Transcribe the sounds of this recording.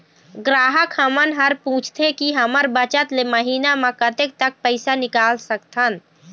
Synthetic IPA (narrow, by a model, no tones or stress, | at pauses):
ɡɾaːɦəkɦəmənɦəɾpũt͡ʃʰt̪ʰekiɦəməɾbət͡ʃət̪leməɦiːnamẽkət̪ek̚t̪ək̚pəɪsanɪkalsəkt̪ʰən